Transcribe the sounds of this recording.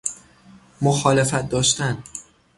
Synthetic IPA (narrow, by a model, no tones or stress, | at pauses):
moxɒːlefæt̪̚d̪ɒːʃt̪æn